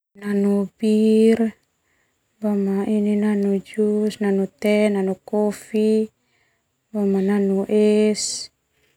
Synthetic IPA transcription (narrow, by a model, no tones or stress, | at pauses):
nanubir | bamaininanud͡ʒusnanut̪ɛnanukɔfi | bɔmananuʔɛs